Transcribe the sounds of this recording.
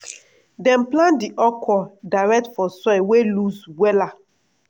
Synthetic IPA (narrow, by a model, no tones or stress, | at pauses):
dɛ̃mplãndiʔɔkʰɔdaɹɛk̚tfɔsɔjweluswɛla